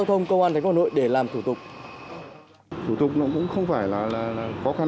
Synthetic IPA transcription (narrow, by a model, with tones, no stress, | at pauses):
a˧wt̪ʰə˧wŋ͡mkə˧wʔaː˧nt̪a˨˦˩no̰˧˨jɗe˧˩laː˨˩mt̪ʰu˧˩t̪ʊ˨˩k͡p̚ | t̪ʰu˧˩t̪ʊ˨˩k͡p̚nɔ̰˧˥kʊ̰˧˥ŋ͡mxə˧wŋ͡mfaː˧˩jlaː˨˩laː˨˩laː˨˩xɔ˨˦xa˧